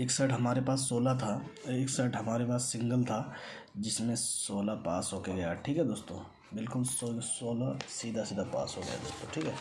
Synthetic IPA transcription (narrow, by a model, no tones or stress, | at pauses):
eksəʈɦɐmaːɾepaːsːoːlat̪ʰaeːksəʈɦɐmaːɾepaːsːɪ̃ŋɡəlt̪ʰa | d͡ʒɪsmẽsoːlapa̰ːsɦoːkeɡɐjaʈʰiːkɦɛd̪oːst̪o̰ | bɪlkʊlsosoːlasiːd̪ʱasiːd̪ʱapa̰ːsɦoɡɐ̰ja̰d̪oːst̪oʈʰiːkɦɛː